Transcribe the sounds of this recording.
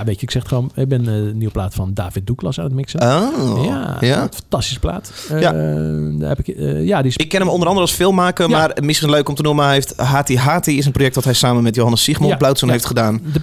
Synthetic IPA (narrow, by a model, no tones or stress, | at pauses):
jaʋejcəɪksɛxtχʋon̚bɛnniəplaːtfɔnda̰ːfɪt̚duklɔsa̰ːnətmɪksəojajatfntɑstisə̥pla̰ːtja | hɛpɪkjadisɪkːɪnəmɔndəɾɑndəɾəlˠsfɪːlˠmaːkəmarmɪsχinløɥkɔmtənuməheftɦaːtiɦaːtiɪs̬ənprojɛk̚tʋɔtɦɛjsaːmənmɛtjowhɑnəsiχmɔblawtsənɦeftχədaːn